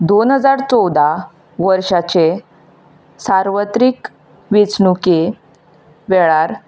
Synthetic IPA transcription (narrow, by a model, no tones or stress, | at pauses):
d̪onɦəd͡zaɾt͡sɔwd̪ʱa | ʋəɾʂat͡ɕe | saɾʋət̪ɾik | ʋit͡sɳuke | ʋɛɭaɾ